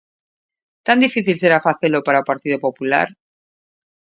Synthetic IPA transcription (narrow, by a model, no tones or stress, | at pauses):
t̪and̪ifiθilse̞ɾafaθe̞lo̞paɾaupaɾt̪iðopo̞pula̰ɾ